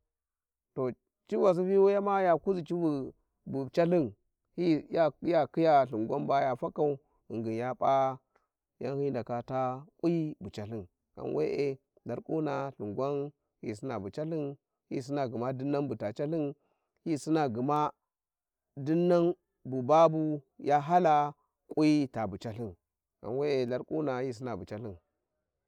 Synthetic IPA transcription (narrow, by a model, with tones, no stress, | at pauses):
to˨ | t͡ʃi˦va˨s̬i˦fi˦wu˦ja˦ma˦ja˨ku˦zi˨t͡ʃi˦bu˨ | bu˨t͡ʃa˦ɬi˦n | hi˦ja˦ja˦ki˦ja˦ɬu˨ŋɡʷa˦nba˦ja˨fa˦ka˨u˨˦ | i˨ŋɡi˨nja˦pʼa˦ | ja̰˦nhi˦n˦da˨ka˨ta˦ku˦ji˦bu˨t͡ʃa˨ɬi˦n | ka̰˨nwḛ˦ʔe˦ | da˨ɾku˦na˨ɬu˨ŋɡʷa˦n | hḭ˦s̬i˦na˨bu˨t͡ʃa˦ɬi˦n | hḭ˦s̬i˦na˨ɡu˨ma˦du˦nːa˦nbu˨ta˨t͡ʃa˦ɬi˦n | hi˦si˦na˨ɡi˨ma˦ | du˦nːa˦n | bu˨ba˦bu˨ja˦ɦa˦la˨ | kʼu˦i˦ta˨bu˨t͡ʃa˨ɬi˦n | ɡa̰˨nwe˦e˨la˦ɾkʼu˦na˨hi˦s̬i˦na˨bu˨t͡ʃa˦ɬi˦n